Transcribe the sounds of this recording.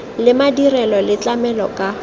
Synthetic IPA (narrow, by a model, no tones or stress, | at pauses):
lɪmadirɛlɔlɪt͡ɬʼamɛlɔkʼa